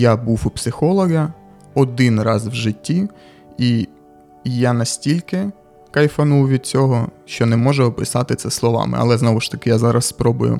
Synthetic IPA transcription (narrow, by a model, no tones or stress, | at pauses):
jabuwupsɪxɔlˠɔɣɐ | ɔd̪ɪnrɑzwʒɪtʲːi | i | janɐsʲtʲilʲkɪ | kɐjfɐnuwʋʲid̪̚t͡sʲɔɦɔʃt͡ʃɔnɛmɔʒɛɔpɪsɑt̪ɪt̪sɛslˠɔʋɑ̰mɪ̰ɐ̰lˠɛznɔʋʊʃt̪ɐkɪjazɑɾɐsspɾɔbʊ̰jʊ̰